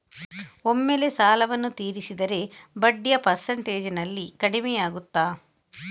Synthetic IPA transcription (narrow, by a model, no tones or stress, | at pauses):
o̞mːeːlesaːlɐʋɐnːut̪iːɾisid̪ɐɾe̞bɐɖːijɐpɐɾsɐɳʈe̞ːd͡ʒnɐlːikɐɽimɛjaːɡut̪ːaː